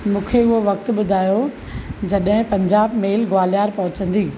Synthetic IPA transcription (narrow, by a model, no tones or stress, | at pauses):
mũːkʰeʊɦoʋɐk̚t̪̆ɓʊd̪ʱaːjo | d͡ʑɐɗɦɪ̃pɐ̃ɲd͡ʑaːbmeːlɡaːlijaːɾpɐɦʊ̃t͡ɕə̃nd̪iː